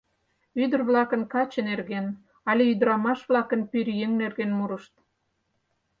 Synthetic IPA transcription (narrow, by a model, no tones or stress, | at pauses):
yd̪ə̆rβlɑkə̆nkɑt͡ɕə̆nerɣen | ɑlʲeyd̪əɾɑmɑʃβlɑkə̆npyɾjeŋnerɣenmuɾəʃt̪̚